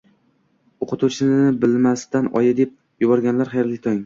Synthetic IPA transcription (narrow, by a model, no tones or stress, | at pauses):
oqʰʊt̪ʰut͡ʃʰɪnɪbɪlmast̪ʰanɒ̰jad̪ep̚ | jʊbɒɾɡʲanlaɾχajɾlɪk̚ʲt̪ʰɒŋ